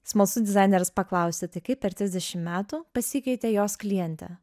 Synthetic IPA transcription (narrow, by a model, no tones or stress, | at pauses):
smɐlˠsʊd̪ʲɪzɑˑɪnʲɛɾɐspɐklˠɐʊsʲet̪ɐɪkɐɪppʲɛɾt̪ʲɾʲɪzd̪ʲɛʃʲɪmmʲæːt̪uːpɐsʲikʲɛɪt̪ʲɛjoːsklʲɪjɛnʲt̪ʲɛ̰